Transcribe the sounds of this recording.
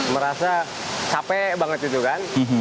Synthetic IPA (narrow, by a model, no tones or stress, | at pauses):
məɾasa | t͡ʃapɛbaŋət̪it̪ukanm̩ɦ̩